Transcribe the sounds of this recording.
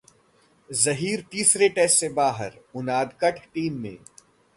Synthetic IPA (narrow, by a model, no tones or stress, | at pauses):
zɐɦiːɾt̪iːsɾeʈeːssebaːɦəɾʊnaːd̪kəʈʰʈiːmːḛ̃ː